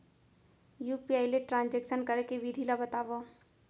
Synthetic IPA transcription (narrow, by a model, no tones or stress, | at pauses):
jupiaːileʈɾãːnd͡ʒekʃənkəɾekeʋid̪ʱilabət̪aːʋa